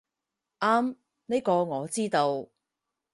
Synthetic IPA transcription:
ʔaː˥m | ne˥jkɔː˧ŋɔː˨˧t͡siː˥t̪o˧w

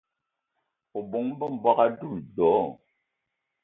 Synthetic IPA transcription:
o˨bu˨˦ŋ̩˦bə˦m̩˨bwa˦ka˦du˦˨dɔ˨˦

